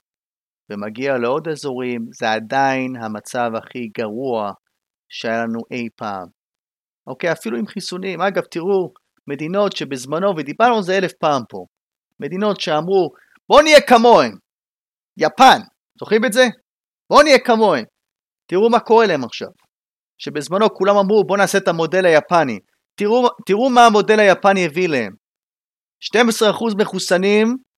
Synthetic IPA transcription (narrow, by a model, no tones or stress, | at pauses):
vemaɡialeo̞d̪ezoʁimzeadainɦamat͡savhaχiɡaʁua | ʃeajalanuʔe̞jpaːm | ʔo̞kejafiluimχisunimaɡavt̪iʁu | me̞d̪ino̞tʃe̞bezmano̞ved̪ibaʁnuzeele̞fpaːmpo̞̰ | me̞d̪ino̞tʃe̞amʁu | bo̞nijekamo̞em | japan | z̥o̞χimetze̞ | b̥o̞nijekamo̞em | tiʁumako̞ʁe̞lae̞maχʃa̰v | ʃe̞be̞zmano̞kulamamʁubo̞naːse̞tamo̞de̞lajapanḭ | tiut̪iʁumaːmo̞de̞lajapanjevilehe̞̰m | ʃte̞mesʁeaχuzme̞χusanim